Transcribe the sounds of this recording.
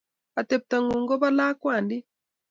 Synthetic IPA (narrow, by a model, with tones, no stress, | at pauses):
a˨tɛ˨p̚ta˨ŋɡu˨ŋɡɔ˦ba˦laː˦kwa˨ndi˦